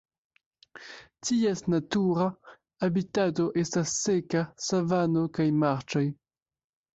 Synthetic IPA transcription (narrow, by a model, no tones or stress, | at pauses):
tiesnatuɾaː | bitato̞ʔe̞stasːekasavanokajmaɾt͡ʃoj